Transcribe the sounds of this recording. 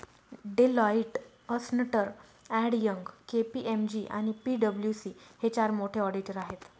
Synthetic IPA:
ɖelɔiʈ | əsnəʈəɾ | æɽjəŋɡkepiʔemd͡ʑiʔa̰ñipiɖəbljusiːhet͡ɕaɾmoʈʰeɔɽiʈəɾaɦet̪

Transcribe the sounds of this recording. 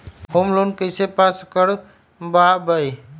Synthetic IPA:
hoːmloːnkəsepaːskəɽ | baːbəi

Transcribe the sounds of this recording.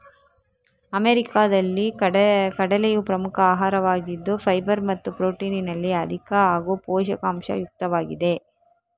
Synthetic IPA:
ɐmeɾikaːd̪ɐlːikɐɽɐlejupɾɐmukʰɐaːɦaːɾɐʋaːɡid̪ːupʰɐjbɐɾmɐt̪ːupɾoːʈiːninɐlːiɐd̪ʱikaaːɡupoːʃɐkaːmʃɐ̰juk̚t̪ɐʋaːɡid̪e̞

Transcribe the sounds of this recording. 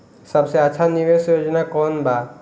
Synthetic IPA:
sɐbseɐtːʃʰaniʋeːsjoːd͡ʒnakɔːnbaː

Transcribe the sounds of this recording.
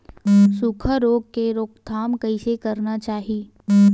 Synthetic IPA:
sukʰəɾoːɡ̚keɾoːkt̪ʰaːmkɐĩsekɐɾnat͡ʃaːɦi

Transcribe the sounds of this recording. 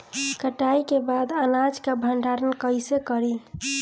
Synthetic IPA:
kəʈaikebad̪ənad͡ʒkabʱəɳɖʱaɾənkəjsekəɾi

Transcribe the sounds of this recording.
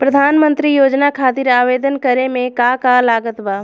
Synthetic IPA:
pɾəd̪ʱaːnmə̃nt̪ɾijoːd͡ʒnakʰaːt̪ɪɾaːʋeːd̪ənkəɾemẽkaːkalaːɡət̪baː

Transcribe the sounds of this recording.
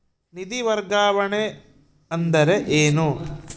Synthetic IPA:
nid̪iʋɐɾɡaːʋɐɳe | ɐnd̪ɐɾe̞ʔeːnu

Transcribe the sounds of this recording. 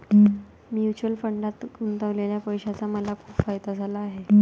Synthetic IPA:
mjut͡ɕuəlfəɳɖat̪ɡunt̪əʋleljapəjɕat͡saməlakʰuːpfajd̪ad͡zʱalaːɦe

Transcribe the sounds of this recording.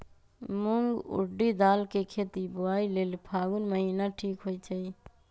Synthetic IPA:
mʊŋɡṵɖid̪aːlkekʰeːt̪ibʊaːileːlpʰaːɡunməɦiːnaʈʰiːkɦoit͡ʃʰəi

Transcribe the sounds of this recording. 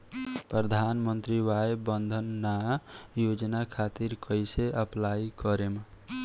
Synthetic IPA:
pɾəd̪ʱanmənt̪ɾiʋaebənd̪ʱənːajod͡ʒnakʰat̪iɾkəjseʔəplaikəɾeme

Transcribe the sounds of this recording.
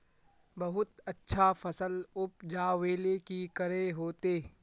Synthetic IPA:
bɐɦʊt̪ɐtːʃʰafɐsəlʊp̚d͡ʒaːweːlekikɐɾeɦoːt̪eː

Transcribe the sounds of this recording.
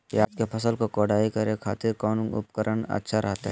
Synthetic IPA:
jḛaːd͡ʒkepʰɐsəlkokoːɽaːikɐɾekʰa̰ːt̪ɪɾkɔːnʊ̰pkəɾʔənɐ̰tːʃʰaɾʔɐɦt̪a̰ɦɛ

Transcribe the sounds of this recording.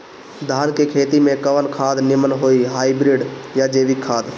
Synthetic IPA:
d̪ʱaːnkekʰeːt̪imẽkəʋənkʰaːd̪nɪmənɦoːiɦaːibɾɪːɖjad͡ʒeːʋɪkʰːaːd̪

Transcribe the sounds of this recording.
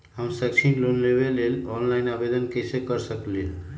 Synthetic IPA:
ɦəmsəkt͡ʃʰilonlebelelɔnlaɪnabed̪ənkəsekəɾsəklio

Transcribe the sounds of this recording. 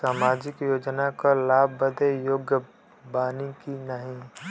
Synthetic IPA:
saːmaːd͡ʒɪkjoːd͡ʒnakalaːbbəd̪ejoːɡjə | baːnikinəɦĩ

